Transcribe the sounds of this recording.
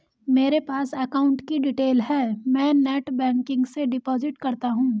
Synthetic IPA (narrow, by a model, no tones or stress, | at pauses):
meːɾepaːsɛkaːʊ̃ɳʈkiɖiʈeːlɦɛːmɛ̃ːnɛːʈbɛ̃ːŋkɪ̃ŋɡseɖɪpɔːzɪʈkɐɾt̪aɦũː